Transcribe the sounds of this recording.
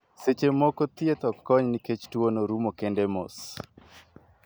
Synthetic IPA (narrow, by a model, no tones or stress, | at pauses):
set͡ʃemɔkot̪jet̪ɔkːɔɲniket͡ʃtwonoɾumokendemo̰s